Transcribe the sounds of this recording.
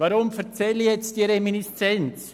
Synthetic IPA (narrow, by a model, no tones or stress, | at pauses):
vaɾʊmfɛt͡sɛlːijɛt͡st̚d̥iəɾeminist͡sɛnt͡s